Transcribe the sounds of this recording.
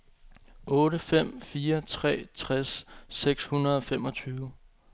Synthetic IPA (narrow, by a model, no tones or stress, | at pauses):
ʔɔ̽ːɾəfem̰fiːɐt͡sʰʁɛ̰ːt͡sʰʁasːeɡ̥shunɐð̞̩ˠɒ̽fem̰ɒ̽t͡sʰyːʊ